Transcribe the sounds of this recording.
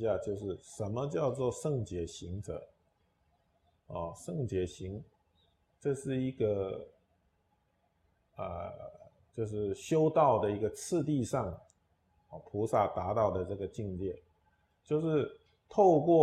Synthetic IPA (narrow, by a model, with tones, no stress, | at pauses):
ja˥˧t͡ɕjo˥˧ʊʂɻ̩˥˩ʂə˧˥nmə˧t͡ɕjɑ˥˧ʊt͡swɔ˥˧ʂɤ˥˩ŋt͡ɕjɛ˧˥ɕi˧˥ŋʈ͡ʂə̰˧˦ | ɔ̰˥˧˩ʂɤ˥˩ŋt͡ɕjɛ˧˥ɕi˧˥ŋ | ʈ͡ʂɤ˥˧ʂɻ̩˥˩i˧˥ɡə˧ | ə̰˧˩ | t͡ɕjo˥˧ʊʂɻ̩˥˩ɕjo˥ʊt̪ɑ˥˩ʊd̪ə˩i˧˥ɡə˧t͡sʰɹ̩˥˧t̪̬i˥˧ʂɑ˥˩ŋ˩ | pʰu˧˥sa˥˩t̪a˧˥t̪ɑ˥˩ʊd̪ə˩ʈ͡ʂə˥˩ɡə˩t͡ɕi˥˧ŋljɛ˥˩ | t͡ɕjo˥˧ʊʂɻ̩˥˧ | t̪ʰo˥˧ʊkwɔ˥˩